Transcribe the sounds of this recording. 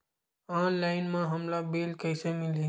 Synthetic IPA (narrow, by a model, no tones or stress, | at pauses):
anlaɪnmãɦəmlabelkəɪsemili